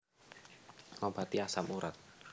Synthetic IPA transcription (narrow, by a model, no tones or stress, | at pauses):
labat̪iasamuɾat̪̚